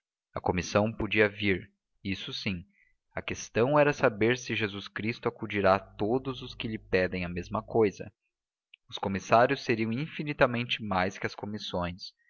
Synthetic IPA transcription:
ɐkomisɐ̃w̃pod͡ʒiɐviɾ | isʊsĩ | ɐkest̪ɐ̃w̃ɛɾɐsabeɾsɪʒezuskɾist̪ʊakud͡ʒiɾat̪od̪ʊzʊskɪʎɪpɛd̪ẽj̃ɐmezmɐkojzɐ̰ | ʊskomisaɾjʊsːeɾiɐ̃w̃ĩfinit̪ɐmẽnt͡ʃɪmajskɪɐskomisõj̃s

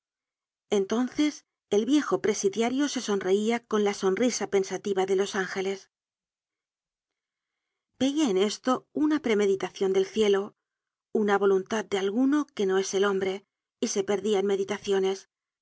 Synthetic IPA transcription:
e̞nt̪o̞nθe̞s | e̞lβje̞xo̞pɾe̞siðjaɾjo̞se̞so̞nre̞iako̞nlaso̞nrisape̞nsat̪iβaðe̞lo̞saŋxe̞le̞s | b̥e̞iaene̞st̪o̞unapɾe̞me̞ðit̪aθjo̞nd̪e̞lθje̞lo̞ | unaβ̞o̞lunt̪at̪̚d̪e̞alɣuno̞ke̞no̞e̞se̞lo̞mbɾe̞ | ise̞pe̞ɾðiaenme̞ðit̪aθjo̞ne̞s

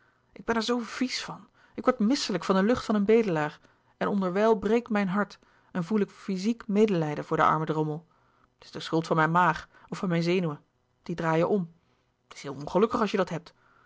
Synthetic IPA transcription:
ʔɪɡ̚bɛnɛɹzowv̥isfɑn | ɪkʋɔɹtmɪsələkfɑndəlɵχtfɑnənbejdəlaːɹ | ʔɛnɔndəɹʋɛlˠbrejk̚tmɛjnɦɑɹt | ɛnvulɪkfizikmejdəlɛjdəvʊːɹdəʔɑ̰ɹmədrɔməlˠ | tɪ̥zdəsχɵlˠtfɑnmɛjnmaːχɔfɑnmɛjnzejnywə | d̥idraːjəʔɔm | ətɪ̥sɦɪːlˠɔ̃nχəlɵkəχɑlˠʃjədɑtɦɛp̚t

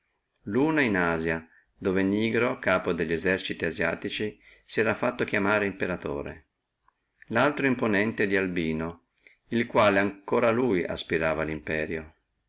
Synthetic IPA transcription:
luːnainaːzja | d̪oːveniːɡɾokaːpod̪eʎːezɛrt͡ʃit̪iazja̰ːt̪it͡ʃi | siɛːɾafːat̪ːok̟jamaːɾeimpeɾat̪o̰ːɾḛ | lalt̪ɾoimponɛnt̪ed̪ialbiːno | ilkwaːleaŋkoːɾaluːja̰spiɾaːvalimpɛːɾjo

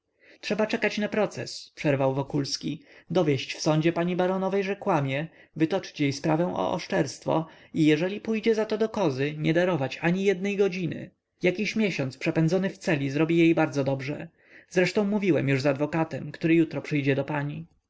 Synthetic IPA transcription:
tʂɛbat͡ʂɛkat͡ɕnapɾɔt̪sɛ̰spʂɛɾvawvɔkulskʲid̪ɔvʲjɛɕt͡ɕfsɔ̃ɲd͡ʑɛpaɲibaɾɔnɔvɛjʐɛkwamʲjɛ | vɘt̪ɔt͡ʂt͡ɕjejspɾavɛ̃w̃ʔɔ̰ʔɔ̰ʂt͡ʂɛɾst̪fɔ̰ | ijɛʐɛlʲipujd͡ʑɛzat̪ɔd̪ɔkɔzɘɲɛd̪aɾɔvat͡ɕaɲijɛd̪nɛjɡɔd͡ʑinɘ̰ | jakʲiɕmʲjɛɕɔnt̪spʂɛpɛnd̪zɔnɘft̪sɛlʲizɾɔbʲijejbaɾd̪zɔd̪ɔbʐɛ̰ | z̥ɾɛʂt̪ɔ̃w̃muvʲiwɛmjuʐzad̪vɔkat̪ɛmkt̪uɾɘjut̪ɾɔpʂɘjd͡ʑɛd̪ɔpaɲi

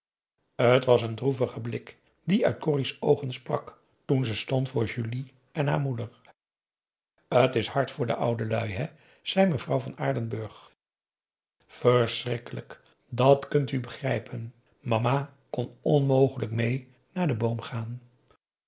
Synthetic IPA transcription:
ətʋɑsəndruvəχəblɪk | diœɥt̚kʊrisowχənsprɑk | tunzɛstɔntfʊːɹʒyli | ʔɛnɦa̰ːɹmudəɹ | ətɪshɑɹtfʊːɹdə̰ʔʌwdəlœɥɦɛ | z̥ɛjməvrɑwvɑnaːɹdənbɵɹχ | fəɹsrɪkələk | dɑtkɵntybəχrɛjpən | mɑma | kɔnɔnmowχələkmej | naːɹdəbowmχaːn

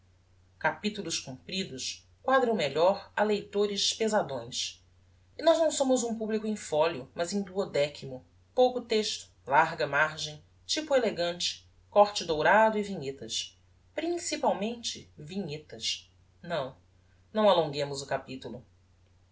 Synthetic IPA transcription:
kapit̪ulʊʃkũpɾid̪ʊʃ | kwad̪ɾɐ̃meʎɔɾɐlejt̪oɾɪʃpezad̪õj̃s | inɔznɐ̃w̃sõmʊzũpublikʊẽj̃fɔljʊmɐzẽj̃d̪uod̪ɛkʰimʊ | powkʊt̪eʃt̪ʊ̥laɾɡɐmaɾʒẽj̃ | t͡ʃipueleɡɐ̃nt͡ʃɪ̥ | kɔɾt͡ʃɪd̪owɾad̪ʊiviɲet̪ɐs | pɾĩŋsipawmẽnt͡ʃɪviɲet̪ɐʃ | nɐ̃w̃ | nɐ̃w̃alõŋɡẽmʊzʊkapit̪ulʊ

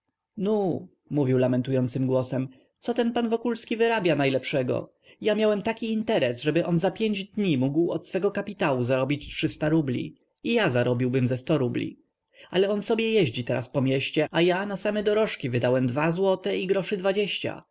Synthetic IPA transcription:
nu | muvʲiwlamɛnt̪ujɔnt̪sɘmɡwɔsɛm | t̪sɔt̪ɛnpanvɔkulskʲivɘɾabʲjanajlɛpʂɛɡɔ̰ | jamʲjawɛmt̪akʲiːnt̪ɛɾɛsʐɛbɘʔɔnzapʲjeɲd͡ʑd̪ɲimuɡwɔt̪sfɛɡɔkapʲit̪awuzaɾɔbʲit͡ɕtʂɘst̪aɾublʲḭ | ijazaɾɔbʲiwbɘmzɛst̪ɔɾublʲḭ | alɛɔnsɔbʲjɛjɛʑd͡ʑit̪ɛɾa̰spɔmʲjɛɕt͡ɕɛajanasamɛd̪ɔɾɔʂkʲivɘd̪awɛmd̪vazwɔt̪ɛiɡɾɔʂɘd̪vad͡ʑeɕt͡ɕa̰

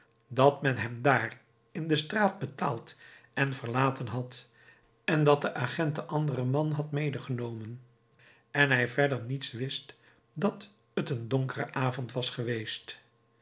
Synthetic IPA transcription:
dɑtmɛnɦɛmdaːr | ɪndəstraːd̚bətaːlˠtɛnvəɹlaːtənɦɑt | ɛndɑt̚dəʔaχɛntdəʔɑndərəmɑnɦɑtmejdəχənowmən | ɛnɦɛjvɛɹdəɹnitsʋɪst | dɑt | ətəndoŋkərə̰ʔaːvɔntʋɑsχəʋejst

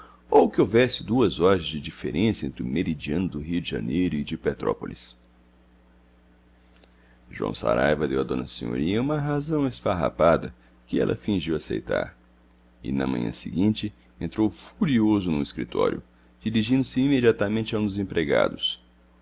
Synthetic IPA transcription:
owkɪowvɛsɪd̪uɐzɔɾɐzd͡ʒɪd͡ʒifḛɾʔẽsɐḛ̃t̪ɾɪʊmeɾid͡ʒiɐ̃nʊd̪ʊɦiʊd͡ʒɪʒɐ̰nejɾʊɪd͡ʒɪpet̪ɾɔpolis | ʒuɐ̰̃w̃sa̰ɾajvɐd̪ewad̪õnɐsẽɲo̰ɾiɲɐũmɐɦazɐ̃w̃esfaɦa̰pad̪ɐ | kɪɛ̰lʔɐ̰fĩʒiwasḛjt̪a̰ɾ | ɪ̰nɐ̰mɐ̰̃ɲɐ̰̃sɪɡĩnt͡ʃɪ | ẽnt̪ɾowfuɾiozʊnʊ̃iskɾit̪ʰɔ̰ɾjʊ | d͡ʒiɾiʒĩnd̪ʊsɪimed͡ʒiat̪amẽnt͡ʃɪaũnd̪ʊzẽpɾeɡa̰d̪ʊs

